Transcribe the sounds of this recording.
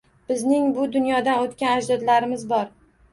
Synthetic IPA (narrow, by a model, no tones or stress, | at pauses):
b̥ɪznɪŋbʊd̪ʊnjɒd̪anot̪kʲanad͡ʒd̪ɒd̪laɾɪmɪzbɒɾ